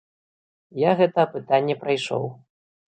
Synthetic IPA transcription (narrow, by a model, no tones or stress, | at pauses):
jaɣɛt̪ɐːpɨt̪anʲːɛpɾajʂɔ̰w